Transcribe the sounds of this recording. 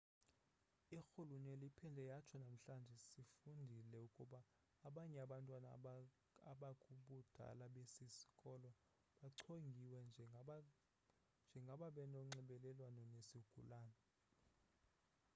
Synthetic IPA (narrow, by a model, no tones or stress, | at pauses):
ixuluɲɛlipʰɛndʱɛjat͡ʃʰɔnam̩ɬand͡ʒʱɛsifundʱilɛukʼuɓaː | ɓaɲɛaɓantʼwana | aɓakʼuɓud̥ʱa̰laɓesisi̥kʼɔlɔ | ɓaǀʰoŋɡʱiwɛnd͡ʒʱ | nd͡ʒʱɛŋɡʱaɓaɓɛnɔŋ͡ǀɛɓɛlɛlwanɔnesiɡ̥ʱṵlaːnɔ